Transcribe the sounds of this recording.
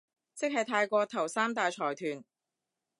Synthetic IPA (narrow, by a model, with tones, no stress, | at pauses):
t͡sɪ˥k̚hɐ˨jt̪ʰaː˧jkʷɔː˧t̪ʰɐ˨˩wsaː˥mt̪̬aː˨jt͡ʃʰɔː˨˩jt̪ʰyː˨˩n